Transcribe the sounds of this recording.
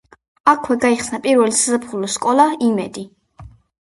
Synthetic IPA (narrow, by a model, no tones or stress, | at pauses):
akʰwɛɡaiχsnapʼiɾvɛlisazapʰχulɔskʼɔlaimɛ̰d̪i